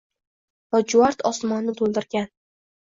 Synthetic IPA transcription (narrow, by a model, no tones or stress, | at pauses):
bɒd͡ʒʊaɾt̪ʰɒsmɒnːɪt̪ʰolˠd̪ɪɾɡʲan